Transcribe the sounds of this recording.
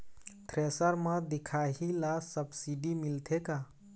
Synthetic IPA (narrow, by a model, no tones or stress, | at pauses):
ʈʰɾesəɾməd̪ikʰaɦilasəbsiɖimilt̪ʰeka